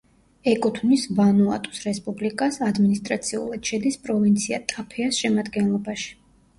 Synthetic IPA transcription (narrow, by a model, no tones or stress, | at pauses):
ɛkʼut̪ʰvnisvanua̰t̪ʼu̥sɾɛspʼublikʼasad̪minist̪ʼɾat̪sʰiṵlˠad̪̥ʃɛd̪ispʼɾɔvint̪sʰia̰t̪ʼapʰɛasʃɛmad̪ɡɛnlˠɔbaʃi̥